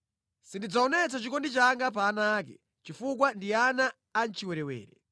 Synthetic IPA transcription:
sindid͡zaɔnɛt͡sat͡ʃikɔndit͡ʃaŋɡap̬aːnaːk̬ɛ̰ | t͡ʃifuk̬wandianaː | n̩t͡ʃiwɛɾɛwɛ̰ːɾɛ

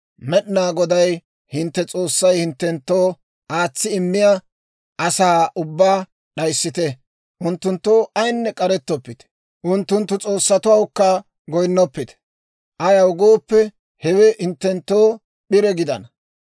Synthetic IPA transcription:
mɛɗɪnaːɡɔd̪ɐj | hɪnt̪ːɛt͡sʼo̞ːsːɐjhɪnt̪ːɛnt̪ːoː | ʔaːt͡sːɪɪmːɪja | ɐsaːʔʊbːaː | ɗɐjsːɪt̪ɛ | ʔʊnt̪ːʊnt̪ːoːʔɐjnːɛkʼɐɾɛt̪ːɔpːɪt̪ɛ̥ | ʔʊnt̪ːʊnt̪ːʊt͡sʼo̞ːsːɐt̪ʊwɐwkːɐ | ɡɔjnːɔpːɪt̪ɛ̥ | ʔɐjɐwɡoːpːɛ | hɛwɛhɪnt̪ːɛnt̪ːoː | ɗɪɾɛɡɪd̪ɐ̰nɐ

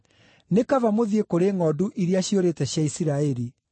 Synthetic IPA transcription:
nekavamoðiekoɾeŋɔduʔiɾeaɕioɾetɛɕjaisiɾaɛɾi

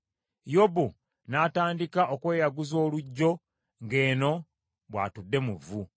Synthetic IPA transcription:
jobu | naːtaːndikaʔokwe̞ːjaɡuzo̞ːluɟːo̞ | ŋɡe̞ːno̞ | βwa̰ːtudːe̞muvu

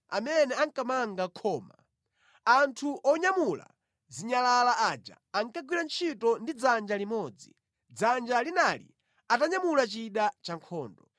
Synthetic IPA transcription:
a̰mɛnɛaŋkamaŋɡakʰɔːma | antʰuʔɔɲamula̰ | ziɲalalaʔaːd͡ʒa̰ːŋkaɡwiɾant͡ʃʰitɔndid͡zand͡ʒalimɔːd͡zḭ | d͡zand͡ʒalinalḭ | ataɲamulat͡ʃiɗat͡ʃaŋkʰɔːndɔ

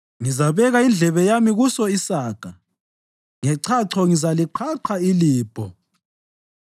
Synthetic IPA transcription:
ŋizaβɛɣaind͡ɮʱɛβɛjamiɣusɔisaːɡ̥ʱa | ŋɛǀʰaǀʰɔŋizaliǃʰaǃʰailiːb̥ʱɔ̰

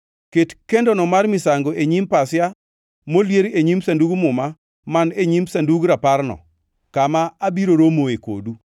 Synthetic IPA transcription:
ketkendonɔmarmɪsaŋɡoʔeɲimpasja | moljeɾeɲimsanduɡmʊma | maneɲimsanduɡɾaparnɔ̰ | kamaːbiɾoɾomoeko̰du

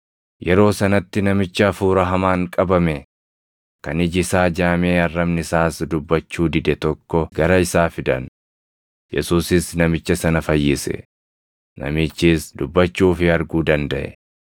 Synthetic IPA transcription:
jɛɾo̞ːsɐnɐt̪ːɪnɐmɪt͡ʃːɐːfuːɾɐɦɐmaːŋkʼɐbɐmɛ | kɐnɪd͡ʒɪsaːd͡ʒaːmeːɐrːɐbnɪsaːsd̪ʊbːɐt͡ʃːuːd̪ɪd̪ɛt̪ɔkːɔɡɐɾɐɪsaːfɪd̪ɐ̰n | jɛsuːsɪsnɐmɪt͡ʃːɐsɐnɐfɐjːɪsɛ̰ | nɐ̰mit͡ʃːiːsd̪ʊbːɐt͡ʃːuːfɪɐɾɡuːd̪ɐnd̪ɐʔɛ̰

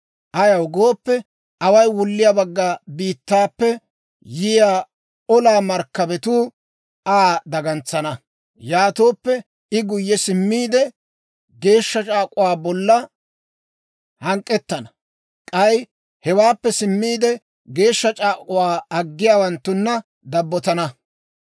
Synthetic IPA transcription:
ʔɐjɐwɡoːpːɛ | ʔɐwɐjwʊlːɪjabɐɡːaːbiːt̪ːaːpːɛ | jɪjaː | ɔlaːmɐɾkːɐbɛt̪uː | ʔaːd̪ɐɡɐnt͡sːɐnɐ | jaːt̪oːpːɛ | ɪɡʊjːɛsɪmːiːd̪ɛ | ɡe̞ːʃːɐt͡ʃʼaːkʼʊwaːbɔlːɐ | hɐŋkʼːɛt̪ːɐnɐ | kʼɐj | hɛwaːpːɛsɪmːiːd̪ɛ | ɡe̞ːʃːɐt͡ʃʼaːkʼʊwaːɐɡːɪjaːwɐnt̪ːʊnːɐ | d̪ɐbːɔt̪ɐnɐ

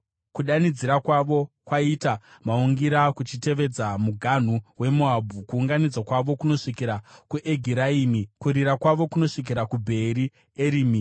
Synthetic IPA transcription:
kuɗanid͡ziɾakwaʋo̞ | kwaitamauŋɡiɾakut͡ʃite̞ʋe̞d͡zamuɡʱan̤uwe̞muabʱukuːŋɡanid͡zwakwaʋo̞kuno̞ʂikiɾakuʔeɡʱiɾaiːmikuɾiɾakwaʋo̞kuno̞ʂik̬iɾakubʱe̞ɾi | eɾiːmi

